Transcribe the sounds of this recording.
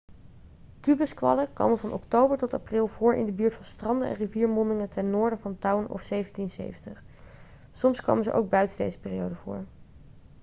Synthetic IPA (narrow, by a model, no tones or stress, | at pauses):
kybəskʋɑ̰ləkʋo̰məvɑnɔktowbəɹtɔta̰prɪlˠvʊːɹʔɪ̰ndəbyːɹtfɑnstrɑndəɛ̰nriviːɹmɔndɪŋətɛnnːʊːɹdəvɑntɑwnɔ̰fsejvəntinsḛjvəntəχ | sɔmskʋo̰ːmənzəʔo̰wɡ̚bœɥtəndḛjzə̥pɪːrijowdəvʊ̰ːɹ